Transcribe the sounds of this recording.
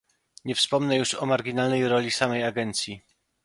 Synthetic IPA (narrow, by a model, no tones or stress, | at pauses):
ɲɛfspɔmnɛjuʂɔmaɾɡʲinalnɛjɾɔlʲisamɛjaɡɛnt̪sʲji